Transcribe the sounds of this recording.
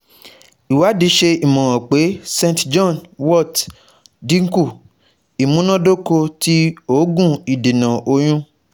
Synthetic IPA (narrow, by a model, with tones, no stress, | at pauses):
i˨wa˨˦di˧ʃe˧i˨mɔ̃˨ɾɔ̃˨k͡pe˨˦sẽ˧ntd͡ʒɔ̃˦˨nwɔ˦˨t | dĩ˦ŋ̩˦ku˦˨ | i˨mũ˨˦nã˦do˦ko˧ti˦o˦ɡũ˦˨i˨di˨nã˨o˧j̃ũ˧˦